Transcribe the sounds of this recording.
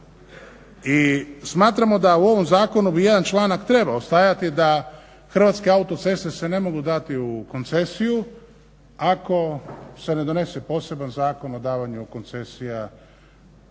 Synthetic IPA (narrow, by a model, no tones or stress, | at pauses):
ismaːt̪ɾamo̞d̪auo̞ʋo̞mzaːko̞nubije̞d̪ant͡ʃlˠaːnakt̪ɾe̞baost̪aːjat̪id̪a | xɾr̩ʋat̪ske̞aut̪o̞t̪se̞st̪ese̞ne̞mo̞ɡud̪at̪iuko̞nt̪se̞siju | ako̞se̞ne̞d̪o̞ne̞se̞po̞se̞banzaːko̞no̞d̪aːʋaɲukont̪se̞sija